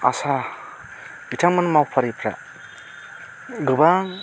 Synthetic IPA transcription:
a̰sa | ɡ̥itʰaŋmanmawpʰaɾipʰɾa̰ | ɡɯbaŋ

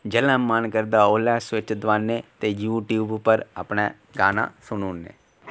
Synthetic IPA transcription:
d͡ʒələ̃ːmənkəɾd̪aːoːlɛːsʋɪt͡ʃd̪ʋaːneːt̪eːjuːʈjuːbpəɾə̰pneː | ɡaːnã̰ːsʊnuːnːḛː

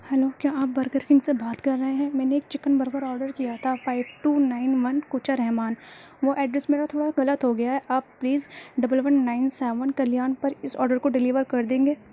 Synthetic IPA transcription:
hɛloːkjaːaːp̚bɐɾkəɾkɪ̃ŋsebaːt̪kɐɾːɐɦẽɦɛ̃mɛ̃ːneːk̚t͡ʃɪkənbɐɾkəɾɔːɾɖəɾkijat̪ʰafaːɪʋʈuːnaːɪnʋɐnkuːt͡ʃʰəɾɛɦmaːn | ʋoʔɛːɖɾɛsmeːɾat̪ʰoːɽaɣɐlət̪ɦoɡɐjaɦɛʔaːbːliːzɖɐbəlʋənːaːɪnsɛːʋənkɐlijaːnpɐɾɪsɔːɾɖəɾkoɖɪliːʋəɾkɐɾd̪ẽːŋɡeː

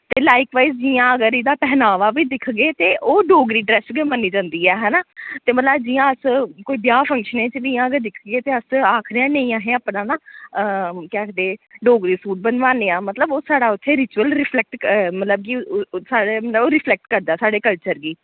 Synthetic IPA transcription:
t̪eːlaːɪkʋaːiːzd͡ʒiːãːəɡəɾid̪aːpɛːnaːʋaːʋiːd̪ɪkʰɡeːt̪eːʔoːɖoːɡɾiːɖɾɛːsɡemənːiːd͡ʒãːnd̪iːɛːɦɛːnaːt̪eːmət̪ləbd͡ʒijãːəskoːiːbjaːpʰə̃ŋkʃənẽːt͡ʃʋiːãːəɡəɾd̪ɪkʰɡeːt̪eːəsaːkʰɾeãːnə̃ĩːãːɦẽːaːpnãːnãːəkɛːkd̪eːɖoːɡɾiːsuːʈ̚bənʋãːneːãːmət̪ləboːsaːɽaːʊt̪ʰːeːɾɪt͡ʃuəlɾɪpʰlɛk̚ʈmət̪ləb̚kisaːɽeːmət̪ləboːɾɪpʰlɛk̚ʈkəɾd̪aːsaːɖeːkəlt͡ʃəɾɡiː

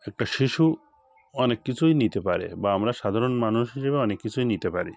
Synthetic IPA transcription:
ɛk̚ʈaʃiʃu | ɔnekːit͡ɕʰujnit̪epaɾḛbaamɾaʃad̪ʱaɾonmanuʃɦiʃebeɔnekːit͡ɕʰujnit̪epaɾi

